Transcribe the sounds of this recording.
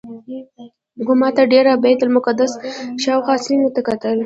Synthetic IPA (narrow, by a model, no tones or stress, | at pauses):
ɡʊmɑt̪aɖeɾabɑjt̪ʊlmʊkad̪asʃɑwxʷɑslinət̪akat̪əl